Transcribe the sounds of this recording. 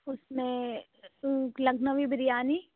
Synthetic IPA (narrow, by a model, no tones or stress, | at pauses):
ʊsmẽ | lɐɡnəʋibɾijaːni